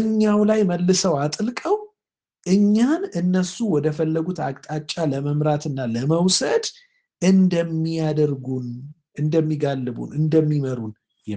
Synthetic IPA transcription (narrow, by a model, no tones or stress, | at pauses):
ɨɲːawlajməlːɨsəwat̪ʼɨlkʼəw | ʔɨɲːanɨnːəsuwɔd̪əfəlːəɡut̪akʼt̪ʼat͡ʃʼːaləməmɾat̪ɨnːaləməwsəd̪ | ɨnd̪əmːijad̪əɾɡun | ɨnd̪əmːiɡalːɨbṵnɨnd̪əmːiməɾun